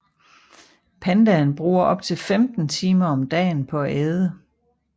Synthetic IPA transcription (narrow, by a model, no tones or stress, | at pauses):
pʰænd̥ænb̥ʁṵːɐʔɒ̽b̥̚t͡sʰe̝lfemd̥n̩t͡sʰiːmɐɒ̽md̥ɛ̰ːnpʰɒ̽æʔɛːðˠə